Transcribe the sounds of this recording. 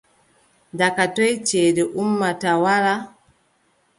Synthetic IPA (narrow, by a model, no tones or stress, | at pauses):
dakatɔjt͡ʃeːdɛʔumːatawaɾa